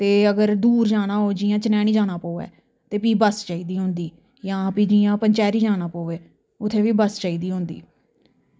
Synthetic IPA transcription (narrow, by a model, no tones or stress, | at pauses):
t̪eːəɡəɾd̪uːɾd͡ʒaːɽ̃aːɦoːd͡ʒiːjãːt͡ʃənɛːɽ̃iːd͡ʒaːɽaːpoːʋɛ̰ː | t̪eːpiːbəst͡ʃaːiːd̪iːɦʊ̃nd̪iː | jãːpiːd͡ʒiːãːpəɲt͡ʃɛːɾiːd͡ʒaːɽ̃aːpoːʋeː | ʊt̪ʰːẽːʋiːbəst͡ʃaːiːd̪iːɦʊ̃nd̪ḭː